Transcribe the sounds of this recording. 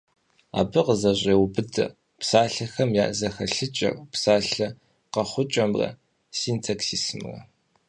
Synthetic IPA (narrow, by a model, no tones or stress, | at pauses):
a̰ːbɨqəzɐʑʷʼeːwbɨdʰɐ̰ | psaːɬɐxɐmjaːʔzɐxɐɬɨt͡ʃʼɐ̰psaːɬɐ | qɐχʷʊt͡ʃʼɐmrɐ̰ | siːntʰaksiːsmrɐ̰